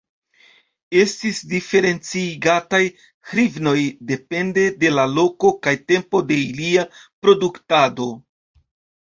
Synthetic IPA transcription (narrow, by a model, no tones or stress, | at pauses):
e̞stisdife̞ɾe̞nt͡siɡataj | hɾivno̞jde̞pe̞nde̞de̞lalo̞ko̞kajte̞mpo̞de̞iliapɾo̞duktado̞